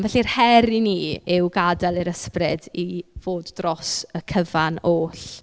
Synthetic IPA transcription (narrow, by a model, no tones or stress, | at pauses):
vɛɬirhɛɾiniːɪwɡadalˠiɾəsprɪdiv̥oːdːrɔsəkʰəvanoːɬ